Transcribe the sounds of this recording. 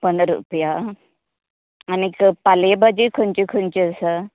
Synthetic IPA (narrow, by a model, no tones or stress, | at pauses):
pənɾṵpja | nikpalebad͡ʑikʰənt͡ɕikʰənt͡ɕiəsə